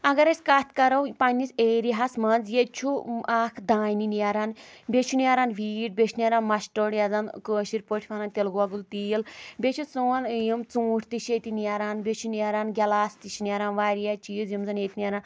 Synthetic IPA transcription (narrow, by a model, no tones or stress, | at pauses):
ɐɡɐɾɐsʲkat̪ʰʲkɐɾɐwpɐnʲːiseːɾiɦɐsmɐnzjet͡ʃʰuaːkʰd̪aːjninijaɾaːnbʲet͡ʃʰuniaɾaːnʋiːʈ̚bʲeʃʰnʲiaɾaːnmɐʃʈoɽjazɐnkəːʃiɾʲpoʈʰʲpʰanant̪elɡʋɐɡult̪iːlbʲet͡ʃʰut͡suːnjimt͡sũːʈʰt̪iʃet̪iniaɾaːnbʲet͡ʃʰuniaɾaːnɡʲɐlaːst̪iʃniaɾaːnʋaːɾijat͡ʃiːzjimzɐneːt̪ʲnijɐɾaːn